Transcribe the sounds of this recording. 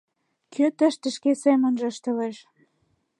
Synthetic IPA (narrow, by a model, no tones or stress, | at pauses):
kʰøt̪ə̆ʃt̪ə̆ʃkesemə̆nʒə̆ʃt̪ə̆leʃ